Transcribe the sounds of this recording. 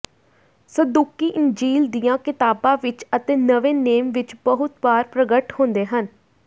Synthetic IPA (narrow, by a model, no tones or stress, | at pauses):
səd̪uːkiːʔɪnd͡ʒiːld̪ijãːkɪt̪aːbãːʋɪt͡ʃət̪eːnəʋẽːneːmʋɪt͡ʃbəɦʊt̪baːɾpɾəɡəʈhõːnd̪eːɦən